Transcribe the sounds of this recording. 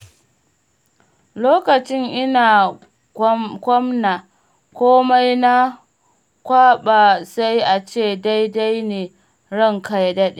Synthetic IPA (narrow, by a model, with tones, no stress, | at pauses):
loː˦kɐ˨t͡ʃɪ˦ŋʔɪ˦naː˨ | ɡʷɔ˦mna˨ | kʷoː˦ma˦jna˦ | kʷaː˦ɓa˨sa˦jʔa˨t͡ʃeː˦˨da˦jda˦jneː˨ | ɽɐ˦˨ŋka˦jdɐ˦ɗe˨